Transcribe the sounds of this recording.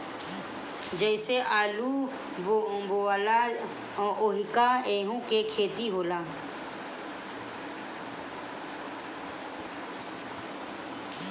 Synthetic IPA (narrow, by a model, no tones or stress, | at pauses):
d͡ʒəɪseʔaːluː | bboaːlaː | ʔoɦɪkaːeːɦũːkekʰeːt̪iɦoːlaː